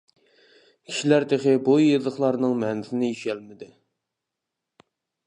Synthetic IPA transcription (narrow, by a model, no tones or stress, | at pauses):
kʲʰi̥ʃilæɾd̪eχɪbojːezˠəχlˠɑɾnɨŋmɛnɪzɪnɪiʃɛlmɪd̪ɪ